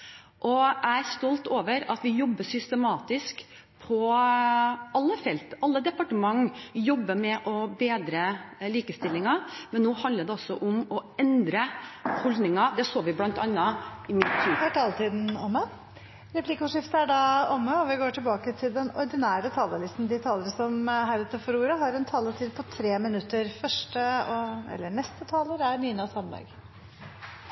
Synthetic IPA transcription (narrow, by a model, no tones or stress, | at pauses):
ʔɔʔæɪæɾst̪ɔlt̪oːʋəɾɑt̪ʋɪjɔbːəsʏst̪əmɑːt̪ɪsk | pʰɔ | ɑlːəfɛlt̪ɑlːəd̪ɛpɑʈəmɑŋːjɔbːəmɛʔɔbeːd̪ɾəliːkəst̪ɪlːɪŋɑmɛnnːoːhɑnd̪ləɖɛɔsːɔʔʊmɔɛnd̪ɾəhɔld̪nɪŋɑd̪ɛsoːʋɪblɑnt̪ɑnːɑɪmɪt̪ʰːihøːʈʰɑːlət̪iːd̪n̩ɔmːə | ɾɛpʰlɪkːʊʂɪft̪əæɖɑɔmːəɔʋɪɡoːʈʰɪlbɑːkət̪ʰɪld̪ɛnɔɾd̪ɪnæːɾət̪ʰɑːləlɪst̪n̩d̪ɪt̪ʰɑːləɾsɔmɦæɾʉt̪ːəfɔɾuːɾəɦɑɾɛnt̪ʰɑːlət̪ʰiːd̪̚pʰɔt̪ʰɾeːmɪnʉt̪ːəɾfœʂʈəɔɛ̰lːəɳɛst̪ət̪ʰɑːləɾæɾniːnɑshɑnd̪ɑ̰ːɡ